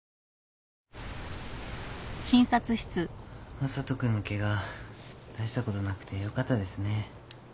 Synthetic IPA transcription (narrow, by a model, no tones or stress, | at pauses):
ɕĩɰ̃sat͡sɨɕi̥t͡sɨmasat̪okɯ̟noke̞ɡa | d̪̥aʑi̥t̪ako̞t̪o̞nakɯ̟̥t̪ʰe̞jo̞kat̪ːad̪e̞sɨne̞